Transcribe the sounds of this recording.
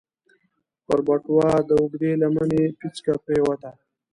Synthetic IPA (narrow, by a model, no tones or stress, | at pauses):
pəɾbaʈwɑːd̪əʊɡd̪elamanepit͡skapɾewat̪a